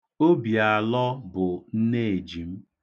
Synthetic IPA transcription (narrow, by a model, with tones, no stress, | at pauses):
o˦bi˨a˨lɔ˦bʊ˨n̩˦ne˦˨e˨d͡ʒi˨m̩˦